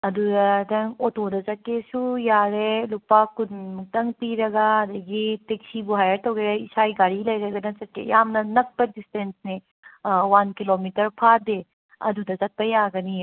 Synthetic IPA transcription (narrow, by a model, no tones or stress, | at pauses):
ɐd̪udɐɾɐŋotodɐzɐkːesujaɾelupakuntɐŋpiɾɐɡaɐd̪ɐɡiteksibuɦajɐɾt̪ɐwɡeɾeisajɡaɽilɐjɾɐɡanɐt͡ʃɐt̚kːḛjamnɐnɐk̚pɐdistensne | wankilomitɐɾpʰad̪e | ɐ̰d̪udɐzɐt̚pɐjaɡɐni